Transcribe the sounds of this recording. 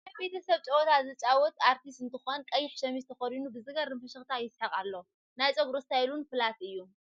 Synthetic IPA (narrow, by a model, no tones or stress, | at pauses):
abe̞t̪ʰɐsɐβt͡ʃʼɐwɔt̪ʰazɨt͡ʃʼawɔt̪aɾt̪ʰist̪ɨnt̪ʰɨxonkʼɐjːɪħʃɐmizt̪ʰɐxɐɾinubɨzɨɡɐɾɨmfɐʃɐxt̪ʰajɪsħɐχʼalːow | najt͡sʼoɡɾost̪ajlunfɨlat̪ɨjːu